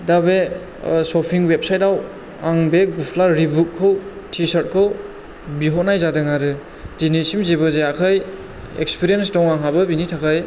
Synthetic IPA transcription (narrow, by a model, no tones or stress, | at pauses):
dabe | sɔpʰiŋwep̚sajtaw | aŋbeɡupʰlaɾibut̚kʰːɯw | tʰisaɾt̚kʰɯw | biɦɔnajzadɯŋaɾɯ | dinisimzebɯzeakʰaj | ḛk̚spʰiɾijens̬dɔŋaŋɦabɐbinitʰakʰaj